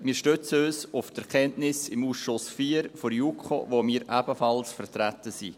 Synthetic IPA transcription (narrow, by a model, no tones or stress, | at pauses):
miːʃtøt͡søːsʊftɛɾkʰɛntnɪsɪmuːsʃʊsfiːɾfoɾjukχo̰vomiːɾʔæbəfɑlsfəɾtɾætəsḭ